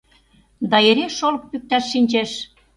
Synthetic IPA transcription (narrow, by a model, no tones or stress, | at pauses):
d̪ɑeɾeʃolək̚pyk̚t̪æʃːinʲt͡ɕeʃ